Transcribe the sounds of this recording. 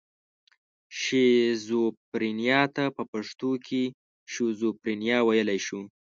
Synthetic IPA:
ʃezopɾinjɑt̪apəpaʂt̪okʰe | ʃozopɾinjɑwajəlajʃu

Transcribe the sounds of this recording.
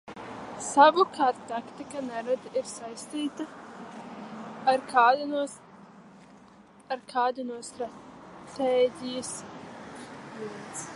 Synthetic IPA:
savukʰaːɾt̪t̪akt̪ikanɛɾad̪aʔiɾsajst̪iːt̪a | ɾ | aɾkʰaːd̪unuɔst̪ɾat̪eːɟʲijs | viɛt̪s

